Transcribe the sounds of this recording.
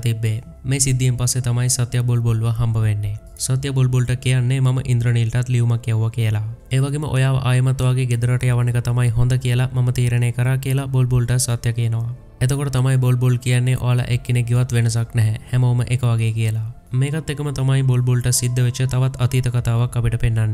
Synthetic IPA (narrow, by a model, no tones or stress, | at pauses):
t̪ibːe | mẽsid̪ːimpɐset̪ɐmaːisɐt̪jaboːlboːlʋaɦɐmbʱɐʋeːnːe | sɐt̪jɐboːlboːlʈɐkijanːemɐmɐʔɪ̃nd̪ɾənilʈat̪liʋmɐkjewʋakielaeʋɐɡimɐʔo̰jaːʋ̰ʔaːjmɐt̪ʋaːɡeɡed̪ɾaʈjaʋɐnekɐt̪ɐmaːĩɦõːnd̪akijelamɐmɐt̪iːɾɐnekɐɾakelaboːlboːlʈɐsɐt̪jɐkeːnɐʋa | ɛt̪okoɽɐt̪ɐmaːjiboːlboːlkijanːeʔo̰alɐ̰ʔekːineɡiʋɐt̪ʋenɐs̬aknɛɦɛhɛmɐmɐʔekɐʋaɡekijela | mekɐt̪ːekɐmɐt̪ɐmaːĩboːlboːlʈɐsid̪ʱːɐʋet͡ʃet̪ɐʋɐt̪ɐt̪it̪ɐkɐt̪aːʋɐkːɐpiʈɐpenːanːe